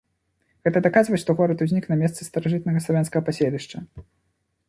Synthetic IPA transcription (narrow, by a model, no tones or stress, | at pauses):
ɣɛt̪ɐd̪akazvɐʂt̪ɔɣɔɾɐt̪uzʲnʲiknamʲɛst̪sɨst̪ɐɾaʐɨt̪̚nɐɣɐslˠavʲanskɐɣɐpasʲelʲiʂt͡ʂɐ